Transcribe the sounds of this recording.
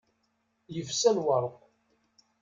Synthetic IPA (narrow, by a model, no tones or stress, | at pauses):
jəfsælwɑɾˤʁ